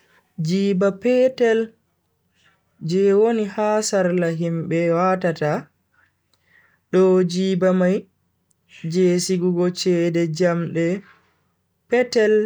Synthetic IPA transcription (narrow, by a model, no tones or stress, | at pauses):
d͡ʒiːbapɛtɛl | d͡ʒɛwonihaːsaɾlaɦimɓɛwaːtata | ɗɔd͡ʒiːbamaj | d͡ʒeːsiɡuɡɔt͡ʃɛdɛd͡ʒamɗɛ | pɛtɛl